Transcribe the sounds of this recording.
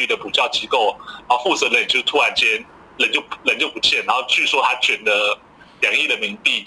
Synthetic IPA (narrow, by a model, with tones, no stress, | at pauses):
y˥˩d̪ə˩pu˨˩t͡ɕjɑ˥˩ʊt͡ɕi˥ko˥˩ʊna˧˦o˥˧fu˥˩t͡sɤ˨˧˦lə˧˦n˨jo˥˧˩t̪ʰu˥a˧˦nt͡ɕjɛ˥n | lə˧˦nt͡ɕjo˥˩ʊlə˧˦nt͡ɕjo˥˩ʊpu˨˧˩t͡ɕʰjɛ˥˩na˧˦nxo˥˧ʊt͡ɕy˥˩swɔ˥t̪ʰa˥t͡ɕʰɥɛ˧˥nd̪ə˧˦ | ljɑ˨˥ŋi˥˩d̪ə˩mi˧˥ŋt̪i˥˩